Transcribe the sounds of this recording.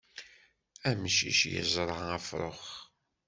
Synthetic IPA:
æmʃḭʃjə̰zˤɾˤɑæfɾˤo̰χ

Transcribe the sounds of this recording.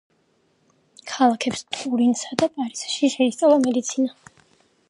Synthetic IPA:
kʰalˠakʰɛpst̪ʼuɾinsad̪apʼaɾisʃiʃɛist̪sʼavlˠamɛd̪it̪sʰina

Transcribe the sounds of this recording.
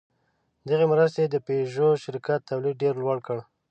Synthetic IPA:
d̪əɣemɾəst̪ed̪əpeʒoʃɪɾkat̪ːawlid̪̚ɖeɾlwaɽkəɽ

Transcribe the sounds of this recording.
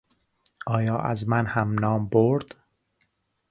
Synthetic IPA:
ʔɒːjɒːʔæzmænhæmnɒːmboɾd̪̥

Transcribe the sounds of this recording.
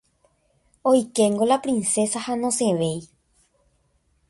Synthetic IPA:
ojkẽŋɡolapɾinse̞sahanõsẽʋej

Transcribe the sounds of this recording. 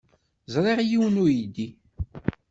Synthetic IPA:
zɾˤeʁjiwnujid̪i

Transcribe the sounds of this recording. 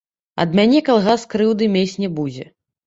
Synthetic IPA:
ɐ̰d̪mʲanʲɛkalˠɣaskɾɨwd̪ɨmʲesʲnʲɛbud͡zʲɛ

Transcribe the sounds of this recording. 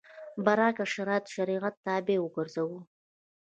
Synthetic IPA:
baɾɑkaʃaɾɑt̪ʃaɾiʁat̪ːɑːbewəɡəɾzawu

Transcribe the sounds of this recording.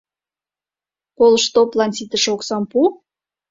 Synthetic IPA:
koləʃt̪oplɑnsit̪əʃoksɑmpu

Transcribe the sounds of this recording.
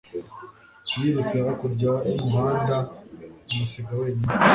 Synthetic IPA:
jiɾut͡seɾakuɾɟaibaːndaumuseɡaweːɲi

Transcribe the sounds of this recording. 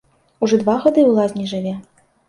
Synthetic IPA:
uʐɔd̪vaɣad̪ɨwlˠazʲnʲiʐɨvʲɛ

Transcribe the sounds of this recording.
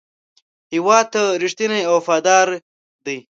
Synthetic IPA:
hiwɑːd̪̚t̪aɾiʂt̪ineawfɑːd̪ɑːɾ | d̪əj

